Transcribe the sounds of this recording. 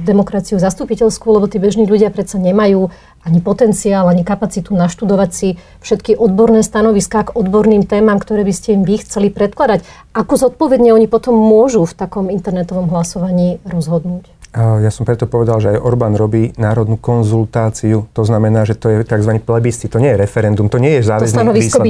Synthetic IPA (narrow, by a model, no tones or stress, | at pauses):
d̪ɛmɔkɾat͡siuzast̪upicɛʎskulɛbɔt̪iːbɛʒniːʎuɟɪapɾɛt̪saɲɛmajuː | aɲipɔt̪ɛnt͡siaːlaɲikapat͡sit̪unaʃt̪ud̪ɔʋacsi | fʃɛt̪kiʔɔd̪bɔɾnɛːst̪anɔʋiskaːɡɔd̪bɔɾniːmt̪ɛːmamkt̪ɔɾɛːbiscɛimʋixt͡sɛlipɾɛt̪̚klad̪ac | ʔakɔzɔt̪̚pɔʋɛd̪ɲɛɔɲipɔt̪ɔmːʊɔʒuft̪akɔmint̪ɛɾnɛt̪ɔʋɔmɦlasɔʋaɲiːɾɔzɦɔd̪nuːcjasɔmpɾɛt̪ɔpɔʋɛd̪alʒɛajʔɔɾbaːnɾɔbiːnaːɾɔd̪nuːkɔnzult̪aːt͡siut̪ɔznamɛnaːʒɛt̪ɔjɛt̪aɡzʋaniplɛbist̪it̪ɔɲɛjɛɾɛfɛɾɛnd̪umt̪ɔɲɪɛjɛzaːʋt̪ɔsanɔʋiskɔi